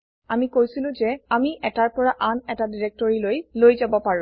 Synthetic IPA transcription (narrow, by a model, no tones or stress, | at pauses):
amikojsilʊ̃zɛamiʔɛtaɹpɔɹaʔanɛtadiɹek̚tɔɹilojlojzabɔpaɹũ